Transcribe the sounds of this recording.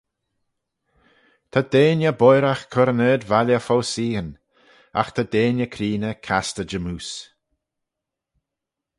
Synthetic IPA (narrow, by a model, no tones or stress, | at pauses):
t̪ʰad̪eːnjəbɔjɾaxkʰɔɾəneːd̪valjəfowsiːən | a̰xt̪ʰad̪eːnjəkʰɾiːnəkʰast̪əd͡ʒəmuːs